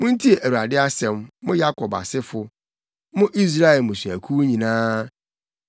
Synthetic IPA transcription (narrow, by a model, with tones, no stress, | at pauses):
mʊ̃˦n̩˦tʰi˦e˨ʔæ˨u˨a˨dɪ˦a˦sɛ̃˨mːʊ̃˦ja˦kʰɔ˨ba̰˨sɪ˦fʊ˨ | mʊ̃˦ʔi˦s̬ɾa˦ɛ˨lmʊ̃˨su˨æ˨kʰu˦wɲĩ˨nãː˦